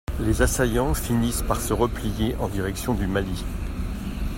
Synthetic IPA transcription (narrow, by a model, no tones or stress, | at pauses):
lezasajɑ̃finispaʁsəʁəplijeʔɑ̃d̪iʁɛksjɔ̃d̪ymali